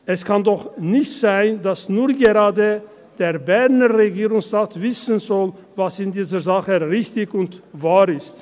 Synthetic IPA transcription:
ʔɛskʰandɔχnɪçtz̥aɪndasnuːɡəʁaːdə | d̥eːɐbɛɐnəʁeɡiːʁʊŋsʁaːtv̥ɪsənzɔl | vasɪndiːzəzaχəʁɪçtɪçʊntvaːʁɪst

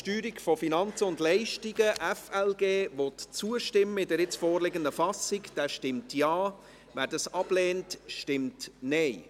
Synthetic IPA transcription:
ʃtyːɾikfɔfinɑnt͡səʊndlɛɪʃtiɡəʔɛfɛlɡeːvɔtt͡suəʃtɪmːəɪdəɾɪt͡sfoːrlɪɡəndəfɑsɪkd̥æːʃtɪmtjɑː | væːɾdɑsɑb̥leːntʃtɪmtnɛɪ

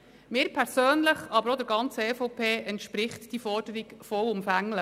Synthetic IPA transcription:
mɪːɾpʰɛɾsøːnləχɑbəɾod̪əɾɡɑnt͡səɛfɔʊpʰeːʔɛntʃpɾɪχtd̥ifɔrdəɾikfɔwʊmfæŋlə

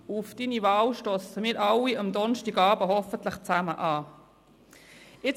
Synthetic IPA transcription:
uufd̥inivɑːlʃtɔsəmɪːɾʔɑliɑmd̪ɔnʃtiɡɑːbəɦɔfənt̪ləχt͡sæməʔɑː | ɪt͡s

